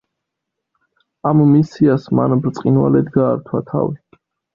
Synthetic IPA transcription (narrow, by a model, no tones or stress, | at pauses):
amːisiasmanbɾt̪sʼqʼinwa̰lɛd̪ɡaːɾt̪ʰwat̪ʰa̰vi